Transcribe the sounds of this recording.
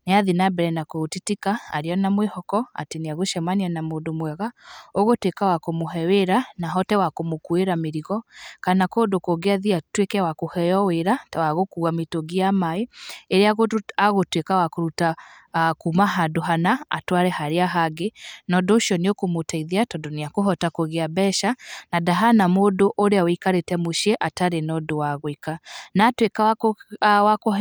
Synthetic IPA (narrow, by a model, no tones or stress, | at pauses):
neaðinabɛɾɛnakotitikaa̰ɾiɔnamwehɔkɔa̰teniaɣoʃɛmanianamodomwɛɣaoɣotwekawakomoɦɛweɾanaɦɔtɛwakomokueɾameɾiɣɔkanakodokoɡeaðiatwekɛwakohɛjɔweɾatawaɣokuametoɡiamaeeɾeaɣoaɣotwekawakoɾutakumaɦadoɦanaa̰twaɾɛhaɾeaɦaɡenɔdoːʃiɔniokomotaiðiatɔdɔneakoɦɔtakoɣeabɛʃanadaɦanamodoʔoɾeawikaɾetɛmoʃieʔataɾenɔdowaɣoikanatweka | wako